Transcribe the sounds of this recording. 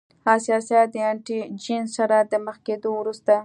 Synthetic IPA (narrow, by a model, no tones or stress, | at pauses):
hasijɑsjat̪̚d̪əaɳʈid͡ʒinsaɾad̪əməxked̪owɾust̪a